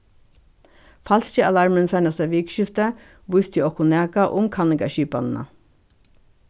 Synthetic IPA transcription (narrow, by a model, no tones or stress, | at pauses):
fɑlst̪iɑlɑɹmənsæɪnɑsæʋiːkʃɪft̪ə | ʋʊst̪ʰiɔkʊnæːkɑʔʊmkʰɑnɪɡɑ̰ʃyːpɑ̰nnɑ̰